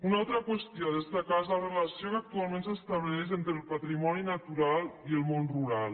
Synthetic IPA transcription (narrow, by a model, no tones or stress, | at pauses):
unalˠt̪ɾəkwəst̪ioðəst̪akazlərələsiokak̚t̪ualˠmẽnsəst̪əβlɛʃ̬ent̪ɾəlˠpat̪ɾimɔninət̪uɾalˠiəlˠmonruɾalˠ